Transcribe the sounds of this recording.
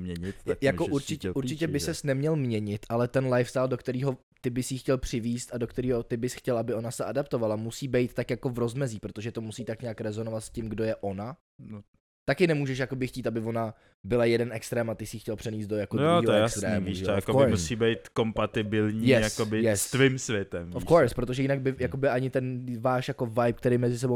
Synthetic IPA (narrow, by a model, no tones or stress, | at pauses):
mɲɛɲɪt̪jakoʔuɾt͡ʃɪcɛuɾt͡ʃɪcɛbɪsɛsnɛmɲɛlmɲɛɲɪt̪ʔalɛt̪ɛnlajfst̪aːldo̞kt̪ɛɾiːɦo̞ | t̪ɪbɪsjiːxcɛlpr̝̥ɪviːst̪adokt̪ɛɾiːɦo̞t̪ɪbɪsxcɛlʔabɪʔo̞nasɛadapt̪ovalamusiːbɛjt̪t̪ːakjako̞vɾo̞zmɛziːpɾot̪oʒɛt̪o̞musiːt̪akɲaːkɾɛzo̞no̞vat̪scɪmɡdo̞jɛʔo̞na | t̪akɪnɛmuːʒɛʃjako̞bɪxciːt̪abɪvo̞na | bɪlajɛdɛnʔɛkst̪ɾɛːmat̪ɪsɪjiːxcɛlpr̥ɛnɲiːst̪d̪̚dojakojoɛɛjkst̪ɾɛiːmuiʒɛjafkoɪɾmusiːbɛjt̪ko̞mpat̪ɪbɪlɲiːjɛjsakobɪjɛst̪vɪmsvjɛt̪ɛmofkoɾspɾo̞t̪̬oʒɛjɪnaɡ̚bɪjakobɪʔaɲɪt̪ɛnvaːʃjako̞vajpk̚t̪ɛɾɪjmɛzɪs̬ɛbow